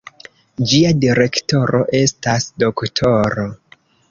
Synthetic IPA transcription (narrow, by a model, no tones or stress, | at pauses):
d͡ʒiadiɾe̞kto̞ɾo̞̰ʔe̞stasdo̞ktʰo̞ɾo̞